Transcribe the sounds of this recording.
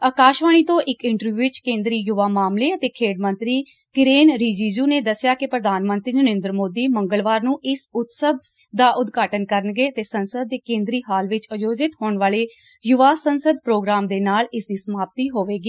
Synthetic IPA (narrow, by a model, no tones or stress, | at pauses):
aːkaːʃʋaːɽ̃iːt̪õːʔɪkɪ̃ɳʈəɾʋjuːʋɪt͡ʃkẽːnd̪ɾiːjʊʋaːmaːmleːət̪eːkʰeːɽmə̃nt̪ɾiː | kɪɾeːnɾiːd͡ʒiːd͡ʒuːneːd̪əsɪjaːkɪpɾəd̪ʱaːnmə̃nt̪ɾiːnəɾẽːnd̪ɾəmoːd̪iːməŋɡəlʋaːɾnũːɪsʊt̪səb̚ | d̪aːʔʊd̪ɡaːʈənkəɾənɡeːət̪eːsənsəd̪̚ːeːkẽːnd̪ɾiːɦaːlʋɪt͡ʃəd͡ʒoːd͡ʒɪt̪ɦoːɳʋaːleː | jʊʋaːsənsəd̪pɾoːɡɾaːmd̪eːnaːlɪsd̪iːsəmaːp̚t̪iːɦoːʋeːɡiː